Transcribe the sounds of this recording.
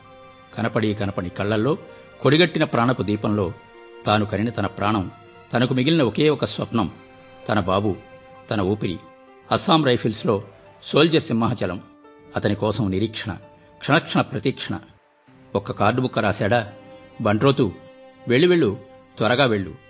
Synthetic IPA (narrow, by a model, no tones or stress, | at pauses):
kɐnɐpɐɽikɐnɐpɐɽikɐɭːɐlːo̞ː | ko̞ɽiɡɐʈːinɐpɾaːɳɐpud̪iːpɐmlo̞ː | t̪aːnukɐninɐt̪ɐnɐpɾaːɳɐm | t̪ɐnɐkumiɡilinɐoke̞ːɔkːɐsʋɐ̰pɳɐm | t̪ɐnɐbaːbu | t̪ɐnɐuːpiɾḭ | ɐsaːmɾɐjpʰilslo̞ː | so̞ːld͡ʒɐɾsimːɐɦɐt͡ʃɐlɐm | ɐt̪ɐnikɔːsɐmniɾiːkʂɐɳɐ̰ | kʂɐnɐkʂɐɳɐpɾɐt̪iːkʂɐɳɐ̰ | ɔkːɐkaːɾɖumukːɐɾaːsɛːɽaːbɐɳɖɾoːt̪uʋe̞ɭːiʋe̞ɭːut̪ʋɐɾɐɡaːʋe̞ɭːṵ